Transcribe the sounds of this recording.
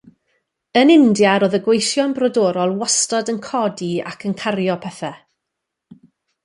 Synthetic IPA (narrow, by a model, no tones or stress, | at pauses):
ənɪndjaɾoːðəɡwejθjɔnbrɔdoːɾɔlˠwastɔdənkʰɔdia̰kʰənkʰarjɔpʰɛθɛ